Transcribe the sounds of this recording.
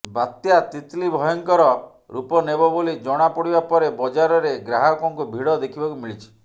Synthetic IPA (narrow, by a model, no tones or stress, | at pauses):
bat̪jat̪it̪libʱɔjɔŋkɔɾɔ | ɾupɔnebɔbolid͡ʒɔɽ̃apɔɽibapɔɾebɔd͡ʒaɾɔɾeɡɾaɦɔkɔŋkubʱiɽɔd̪ekʰibɔkumiɭit͡ʃʰi̥